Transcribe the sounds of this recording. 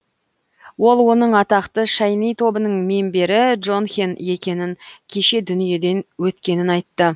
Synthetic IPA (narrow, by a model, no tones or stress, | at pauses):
wo̞lˠwo̞n̪əɴɑt̪ɑqt̪əʃɑjnijt̪ʰo̞bənəɴme̞mbe̞ɾɪd̪ʒo̞nxʲene̞kʲe̞nɪŋkʲʰe̞ʃe̞d̪ʏnije̞d̪e̞nwɵt̪kʲe̞nɪnɑjt̪ːə